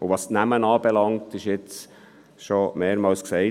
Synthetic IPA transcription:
ʊʋɑstnæmənɑːb̥ɛlɑŋtɪʃjɪt͡s | ʃomeːɾmɑːlsksɛɪ

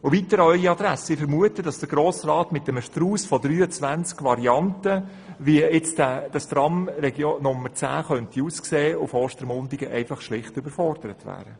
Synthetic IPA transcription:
ʊvitəɾœʏiɑd̥̪ɾæsɪfəɾmuətəd̥ɑsd̥əɡ̥ɾoːsrɑːtmɪtəməʃtruːsfɔdɾyːət͡sʋænt͡skʋɑɾiɑntə | ʋiəɪt͡stæd̥ɑst̪rɑmɾɛɡjonʊmːəɾt͡sæ̰ːχœntiuːskseːʊfoːʃtəɾmʊndiɡəʔɛɪfɑχʃlɪχtʏbəɾfɔrd̥əɾətʋæ̰ːɾə

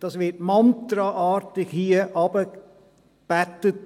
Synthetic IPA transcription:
d̥ɑsʋɪtmɔnt̪ɾɑʔɑːɾtɪkhiːəʔɑb̥ə | b̥æt̪ət̚

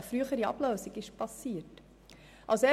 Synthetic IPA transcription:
əfɾyəχəɾiɑ̰b̥løːsiɡɪʃpɑsiːət | ʔɑlsɛ

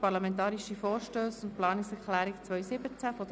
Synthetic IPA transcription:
pɑɾlamɛntɑːɾiʃifɔːɾʃtøːsʊntplɑːnɪksɛɾklæːɾɪkt͡sʋœʏsɪbət͡sæfɔd

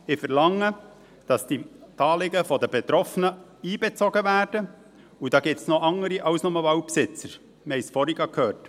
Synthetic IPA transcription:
ɪfɛɾlɑŋːə | d̥ɑsd̥it̪ɑːlɪɡəfɔdəbɛt̪ɾɔfənəiːbɛt͡sɔɡəvæːɾd̥ə | ud̥ɑːɡip̚tsnɔʔɑŋəɾiʔɑwsnʊməvɑwpsɪt͡səɾ | məhɛjsfɔɾiɡɑkʰhøːrt

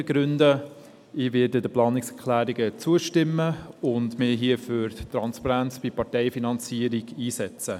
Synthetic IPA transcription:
əɡ̥ɾʉndə | ɪːvɪːɾdədəplɑːnɪksɛkʰlæːɾiɡət͡suəʃtɪmːəʊndmɪɦiəfyɾtɾɑnspɑɾænt͡sb̥ipɑɾtɛɪfinɑnt͡siəɾiɡ̥iːsɛt͡sə

